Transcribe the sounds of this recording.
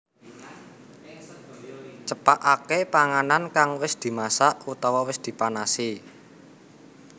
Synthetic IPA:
t͡ʃəpaʔakepaŋanankaŋwɪsd̪̥i̤masaʔut̪ɔwawɪsd̪̥i̤panasi

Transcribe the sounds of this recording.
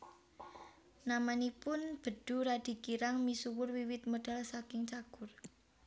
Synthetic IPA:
namanipʊnb̥ə̤ɖ̥ṳɾad̥i̤kiɾaŋmisuwʊrwiwɪt̪̚moɖ̥a̤lsakɪŋt͡ʃaɡ̥ʊr

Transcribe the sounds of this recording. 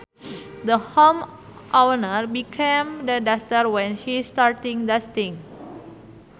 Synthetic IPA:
d̪əhom | ʔawnəɾbikʰẽmdədast̪əɾwɛ̃nʃistaɾtĩŋdəst̪ĩŋ

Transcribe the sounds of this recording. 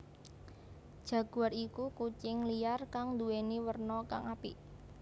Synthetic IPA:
d̥ʒ̥ä̤ɡ̥ṳarikukut͡ʃɪŋlijarkaŋd̪uweniwərnɔka̰ŋapi

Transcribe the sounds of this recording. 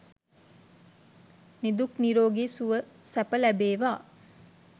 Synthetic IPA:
nid̪ukniɾoːɡeːsuʋəsæpəlæbeːʋaː

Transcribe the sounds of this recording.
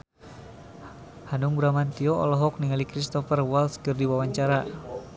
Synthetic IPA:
hanuŋbɾamant̪iɔɔ̰lɔɦɔk̚niŋalikɾist̪ɔfərwalskɨrdiwawaɲt͡ʃaɾa

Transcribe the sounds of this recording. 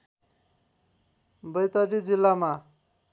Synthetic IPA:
bʌjt̪ʌɾid͡zilːama

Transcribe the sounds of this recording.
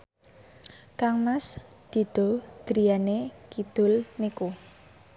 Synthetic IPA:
kaŋmasd̪̥i̤d̪̥ɔ̤ɡ̥ɾijanekid̪̥ʊ̤lniku

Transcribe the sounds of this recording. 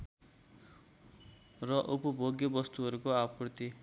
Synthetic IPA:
rʌʔupʌbʱoɡjʌbʌst̪uɦʌɾukoaprt̪i

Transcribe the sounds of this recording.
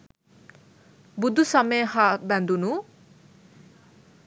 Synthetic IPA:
bud̪ʱusʌmehabãnd̪unu

